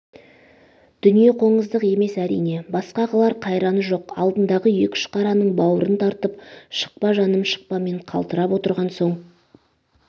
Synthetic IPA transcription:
d̪̥ʏnije̞qʰo̞ɴəzd̪əqe̞me̞sæɾḭjne̞bɑsqɑʁɑlˠɑɾqʰɑjɾɑnəʒo̞qɑ̰lˠd̪ənd̪ɑʁəje̞kʲɪ̥ʃqɑɾɑnəɴbɑwəɾənt̪ʰɑɾt̪əp̚ʃə̥q̚pɑʒɑnəmʃə̥q̚pɑme̞ɴqʰɑ̰lˠt̪əɾɑpwo̞t̪əɾʁɑnso̞ɴ

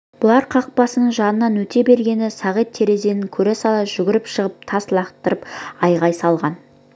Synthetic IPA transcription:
b̥ʊlˠɑɾqʰɑq̚pɑsənəɴʒɑnənɑnwɵt̪e̞be̞ɾɡʲe̞nɪsɑʁet̪ʰːe̞ɾe̞ze̞nɪŋkʲʰɵɾesɑlˠɑʒ̥ʏɡʲɪɾɪpʃəʁəp̚t̪ʰɑslˠɑqt̪əɾəpɑjʁɑjsɑlˠʁɑn

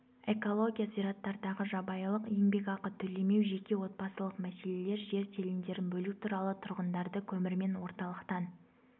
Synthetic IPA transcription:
e̞ko̞lˠo̞ɡʲijaziɾɑt̪ːɑɾd̪ɑʁəʒɑbɑjlˠəqje̞ŋbe̞kɑqət̪ʰʏle̞me̞wʒe̞kʲe̞wo̞t̪̚pɑsəlˠəqmæse̞le̞le̞ɾʒe̞ɾt̪ʲʰe̞lɪnd̪e̞ɾɪnbɵlut̪ʰuɾɑlˠət̪ʰʊɾʁənd̪ɑɾd̪əkʲʰɵmɪɾme̞nwo̞ɾt̪ɑlˠəqt̪ɑn

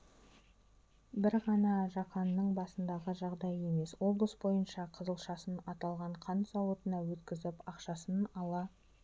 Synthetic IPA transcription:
bɪɾʁɑnɑʒɑqɑnːəɴbɑsənd̪ɑʁəʒɑʁd̪ɑje̞me̞swo̞blˠəsbo̞jənʃɑqʰəzəlˠʃɑsənɑt̪ɑlˠʁɑɴqʰɑnt̪sɑwət̪ənɑwɵt̪kʲɪzɪpɑqʃɑsənɑlˠɑ

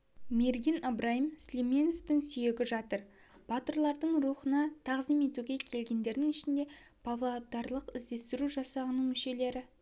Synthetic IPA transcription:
me̞ɾɡʲinɑbɾɑjəmslime̞noft̪ɪŋsʏje̞ɡʲɪʒɑt̪əɾ | b̥ɑt̪əɾlˠɑɾd̪əɴɾuχənɑt̪ʰɑʁzime̞t̪uɡʲe̞kʲʰe̞lɡʲe̞nd̪e̞ɾd̪ɪŋɪʃɪnd̪e̞ | pʰavlod̪ɑɾlˠəqɪzd̪e̞st̪ɪɾuʒɑsɑʁənːəɴmʏʃe̞le̞ɾɪ

